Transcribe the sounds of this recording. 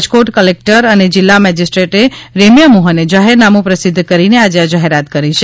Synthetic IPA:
d͡ʒkoʈkəlek̚ʈəɾəned͡ʒɪlːamɛd͡ʒisʈɾeʈeɾemjəmuɦəned͡ʒaɦeɾnamũpɾəsɪd̪ʱːkəɾinead͡ʒead͡ʒaɦeɾat̪kəɾit͡ʃʰe

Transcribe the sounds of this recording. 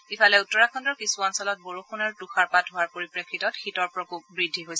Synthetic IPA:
ifalɛutːɔɹakʰɔndɔɹkisuɔnsɔlɔt̚boɹuxunɔɹtuxaɹpatɦʊaɹpoɹipɹekʰːitɔtxitɔɹpɹɔkuk̚bɹidʱːiɦojsɛ

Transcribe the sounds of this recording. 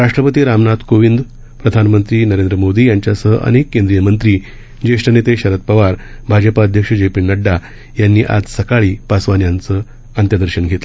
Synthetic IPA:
ɾaʂʈɾəpət̪iːɾamnat̪koʋind̪ | pɾəd̪ʱanmənt̪ɾiːnəɾend̪ɾəmod̪iːjaɲt͡ɕjasəɦʔə̰nekːẽnd̪ɾijəmənt̪ɾiː | d͡ʑeʂʈənet̪eɕəɾət̪̚pəʋaɾbʱad͡ʑəpaəd̪ʱjəkʂəd͡ʑepiɳnːəɖːa | janːiːʔa̰d͡zsəkaɭiːpasʋanjant͡səː | ənt̪jad̪əɾɕəɳɡʱet̪lə

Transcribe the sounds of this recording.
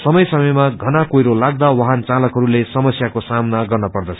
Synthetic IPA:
sʌmʌjsʌmʌjmaɡʱʌnakojɾolaɡ̚d̪awʌɦant͡salʌkɦʌɾulesʌmʌsjakosamnaɡʌrnʌpʌrd̪ʌt͡sʰʌ

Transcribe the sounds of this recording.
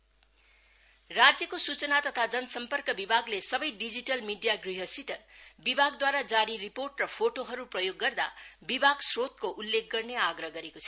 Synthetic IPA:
rad͡zjʌkosut͡sʌnat̪ʌt̪ʰad͡zʌnʌsʌmpʌrkʌbibʱaɡlesʌbʌjɖid͡ziʈʌlmiɖijaɡriɦʌsit̪ʌbibʱaɡd̪waɾad͡zaɾiriporʈrʌpʰoʈoɦʌɾuprʌjoɡːʌrd̪a̰bibʱaɡsrot̪koʔulːek̚ʰɡʌrneaɡrʌɦɡʌɾekot͡sʰʌ̥

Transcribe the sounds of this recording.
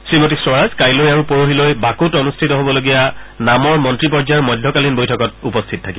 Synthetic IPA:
sɹimotisɹɔɹazkajlojaɹũpoɹoɦilojbakutɔnustʰitɔɦobɔloɡijanamɔɹmɔntɹip̬ɔɹzajmɔjdʱːɔkalinbojtʰɔkɔtupɔstʰitɔtʰaki

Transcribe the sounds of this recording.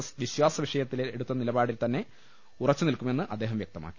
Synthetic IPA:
ʋiɕwaːsɐʋiʂɐjɐt̪ːileɽut̪ːɐnilɐbaːɽilt̪ɐnːe̞ | urɐt͡ɕːɨnilkumenːɨʔɐd̪ːe̞ːɦɐmʋjek̚t̪ɐma̰ːkːi

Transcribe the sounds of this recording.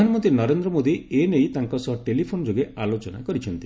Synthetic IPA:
anmɔnt̪ɾinɔɾend̪ɾɔmod̪ienejt̪aŋkɔsɔɦɔʈelipʰonɔd͡ʒoɡeʔalot͡ʃɔna̰kɔɾit͡ʃʰɔnt̪i

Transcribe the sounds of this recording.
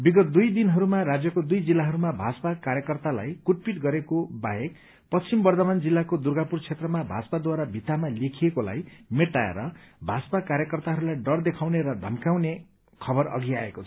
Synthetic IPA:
biɡʌt̪̚d̪ujd̪inɦʌɾumaɾad͡zjʌkod̪ujd͡zilːaɦʌɾumabʱaspakaɾjʌkʌrt̪ala̰jkuʈ̚piʈɡʌɾekobaɦek | pʌt͡st͡simbʌrd̪ʌmand͡zilːakod̪urɡapurt͡sʰet̪rʌmabʱa̰t͡sʌpad̪waɾabʱit̪amalekʰijekola̰jmeʈaḛɾʌbʱasʌpakaɾjʌkʌrt̪aɦʌɾulajɖʌrd̪ekʰawneɾʌd̪ʱʌ̰mkaw̃ne | kʰʌbʌrʌ̰ɡia̰ḛkot͡sʰʌ̥

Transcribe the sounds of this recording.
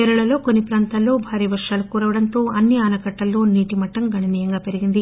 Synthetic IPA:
ɛːɾuɭɐlo̞ːkonːipɾaːnt̪aːlːo̞ːbʱaːɾiːʋɐɾʂaːlukuːɾɐʋɐɽɐnt̪o̞ːɐnːiaːnɐkɐʈːɐlːo̞ːniːʈimɐʈːɐmɡʱɐɳɐniːjɐŋɡaːpeɾiɡind̪i

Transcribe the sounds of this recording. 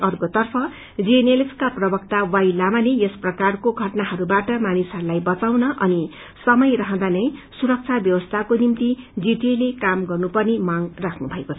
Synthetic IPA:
ʌrkot̪ʌrpʰʌ | d͡zieneleskaprʌbʌkt̪awajlamalejesprʌkarkoɡʱʌʈnaɦʌɾubaʈʌmanisɦʌɾulajbʌt͡sawnʌʔʌni | sʌmʌjrʌɦʌ̃d̪anʌjsuɾʌk̚t͡sʰabjʌwʌst̪ʰakonimt̪id͡ziʈelekamɡʌrnupʌrnimaŋrakʰnubʱʌekot͡sʰʌ

